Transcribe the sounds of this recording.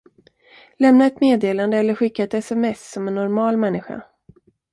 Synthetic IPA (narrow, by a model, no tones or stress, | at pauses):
lɛmnaɛt̪meːd̪eːland̪əɛlːəɾɧɪkːaɛt̪ɛsɛmɛsːɔmɛnːɔɾmɑːlmɛnːɪɧa̰